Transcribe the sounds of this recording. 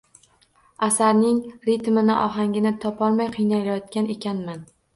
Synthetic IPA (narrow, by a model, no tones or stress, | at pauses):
asaɾnɪŋɾɪt̪mɪnɪʔɒɦaŋʲɪnɪt̪ʰɒpʰɒlˠmajqʰɨjnajlajɒt̪kʲane̞kʲanman